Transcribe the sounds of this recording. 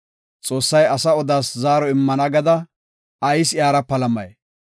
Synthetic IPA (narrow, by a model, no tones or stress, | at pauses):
t͡sʼo̞ːsːɐjɐsɐɔd̪aːszaːɾɔɪmːɐnɐɡɐd̪ɐ | ɐjɪsjaːɾɐpːɐlɐmɐj